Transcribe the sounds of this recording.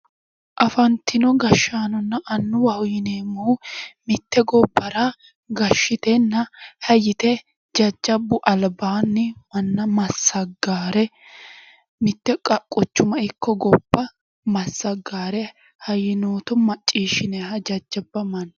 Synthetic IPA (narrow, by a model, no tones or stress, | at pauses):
ʔɐfɐnt̪ɪnɔɡɐʃːaːnɔnːɐʔɐnːʊwɐwjɪneːmːɔwmɪt̪ːɛɡɔbːɐɾɐ | ɡɐʃːɪt̪ɛnːɐhɐjːɪt̪ɛ | d͡ʒɐd͡ʒːɐbːʊʔɐlbaːnːɪmɐnːɐmɐsːɐɡaːɾɛ | mɪt̪ːɛkʼɐkʼːʊt͡ʃːʊmɐɪkʰːɔɡɔbːɐ | mɐsːɐɡːaːɾɛ | hɐjːɪnoːt̪ɔmɐt͡ʃʼːiːʃɪneɦɐd͡ʒɐd͡ʒːɐbːɐmɐnː